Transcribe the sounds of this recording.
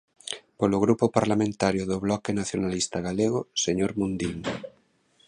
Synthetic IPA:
poloɣɾupopaɾlamẽnt̪aɾjʊðoβlɔkenaθjonalist̪aɣaleɣ̞oseɲoɾmũnd̪iŋ

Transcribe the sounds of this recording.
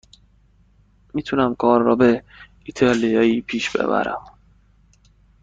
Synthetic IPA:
miːt̪ʰunæmkʰɒːɾːɒ̰ːbe | it̪ʰɒːlijɒiːpʰiːʃb̥ḛbæ̰ɾæ̰m

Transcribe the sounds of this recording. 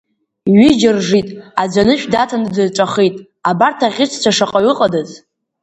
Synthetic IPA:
ɥid͡ʒɪrʐitʼad͡zʷanɨʃᶣdatʰanɨdɨʈ͡ʂʷʼaχejtʼ | abartʰaʁʲɪt͡ʃʰt͡sʷʰaʂaqʼaɥɪqʼadaz

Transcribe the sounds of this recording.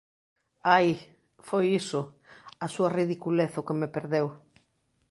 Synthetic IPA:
aj | fojisʊ | asuɐriðikuleθʊkemepeɾðew

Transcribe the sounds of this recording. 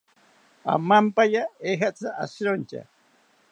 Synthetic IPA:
a̰mampajaexat͡saʔa̰sɾont͡ʃa̰

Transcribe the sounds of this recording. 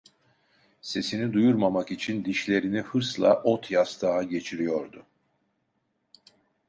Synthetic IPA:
se̞sinid̪ujuɾmamakit͡ʃʰind̪iʃlʲe̞ɾinihɯɾslˠaʔot̪ʰjast̪ʰaːɟe̞t͡ʃʰiɾijo̞ɾd̪ʊ

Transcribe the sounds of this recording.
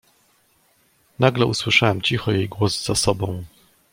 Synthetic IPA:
naɡlɛuswɘʂawɛmt͡ɕixɔjejɡwɔzz̥asɔbɔ̃w̃

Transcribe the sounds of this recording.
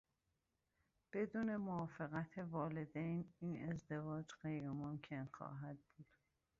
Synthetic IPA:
b̥e̞d̪uːne̞moɒːfeɣæt̪ʰevɒːle̞d̪ejniːnʔe̞zd̪e̞vɒːd͡ʒɢejɾemomcʰe̞nxɒ̰ːɦæd̪̚buːd̪̥

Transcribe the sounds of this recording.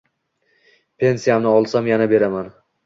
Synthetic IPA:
pʰe̞nsijamnɪɒlˠsamjanabe̞ɾaman

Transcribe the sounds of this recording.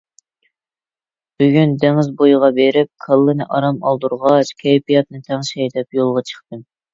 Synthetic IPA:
b̥yɡʲynd̪ɛŋɪzbojʁɑbeɾɪp̚kʰɑlˠːɨnɨʔɑɾɑmɑlˠd̪uɾʁɑʃkʲʰɛjpijɑt̪nɨt̪ʰɛŋʃɛjd̪ɛpjolˠʁɑt͡ʃʰə̥χt̪ɨm

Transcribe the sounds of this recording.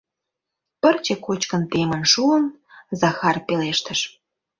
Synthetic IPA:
pərt͡ɕekot͡ɕkə̆nt̪emə̆nʃuəm | zɑxɑrpeleʃt̪ə̆ʃ

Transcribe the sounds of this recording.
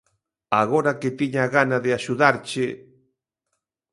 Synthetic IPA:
aɣoɾaket̪iɲaɣanaðɪaʃuðaɾt͡ʃe

